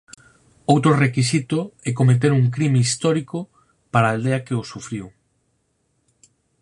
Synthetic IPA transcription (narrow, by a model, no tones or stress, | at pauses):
owt̪ɾorekisit̪ʊɛkomet̪̬eɾuŋk̬ɾimeist̪ɔɾikʊ | paɾaːld̪eɐkeosufɾiw